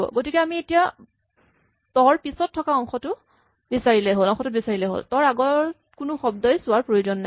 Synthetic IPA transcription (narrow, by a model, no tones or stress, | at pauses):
bɔ̰ɡotikɛamietija | tɔɹpisɔtʰːɔkaɔŋxɔtʊ | bisaɹilɛɦolɔŋxɔtʊbisaɹilɛɦo̰ltɔɹaɡɔɹ | kʊnʊxɔb̚dɔjsʊwaɹpɹojuzɔnːa